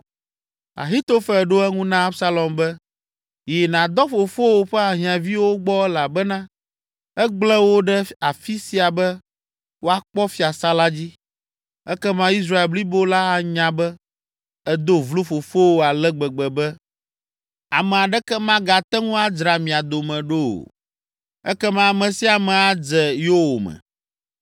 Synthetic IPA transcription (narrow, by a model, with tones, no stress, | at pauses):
a̰˨ɦi˦t̪o˦fɛ˨ɖo˦ɛ˦ŋũ˦nã˦a˦bsa˦lɔ˨mbɛ˦ | jɛ˨nã˨d̪ɔ˦fo˨fo˦wo˦ɸɛ˦a˨ɦĩ˨ã˨vi˦wo˦ɡ͡bɔ˦ɛ˦la˨bɛ˦nã˦ | ɛ˦ɡ͡blɛ˦wo˦ɖɛ˦a˨fi˦si˨a˨bɛ˦ | wo˦a˦k͡pɔ˦fi˦a˨sa˦la˦d͡ʑi˦ | ɛ˦kɛ˦mã˦i˦s̬ɾa˦e˨lbli˦bo˦la˦a˨ɲã˨bɛ˦ | ɛ˦d̪o˦vlo˦fo˨fo˦wo˦a˨lɛ˦ɡ͡bɛ˨ɡ͡bɛ˨bɛ˦ | a˨mɛ˨a˨ɖɛ˦kɛ˦mã˦ɡa˨t̪ɛ˦ŋũ˦a˦d͡ʒɾa˨mĩ˨a˨d̪o˨mɛ̃˨ɖo˦o̰˨ | ɛ̰˦kɛ˦mã˦a˨mɛ̃˨si˦a˨mɛ̃˨a˦d͡zɛ˨jo˦wo˨mɛ̰˨